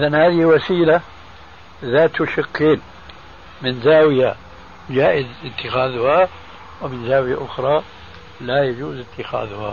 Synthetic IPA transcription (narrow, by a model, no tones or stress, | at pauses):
ʔɪðanhaːðɪhwasiːla | ðaːt̪ʊʃɪkːeːn | mɪnzaːwɪja | d͡ʒaːʔɪzɪt̪ːɪxaːðʊha | wmɪnzaːwɪjaʔʊxɾˤɑ | lajad͡ʒuːzɪt̪ːɪxa̰ːðʊha̰